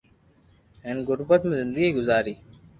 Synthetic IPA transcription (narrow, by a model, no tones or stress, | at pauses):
enɡʊɾbət̪mẽzɪnd̪əɡiːɡʊzaːɾiː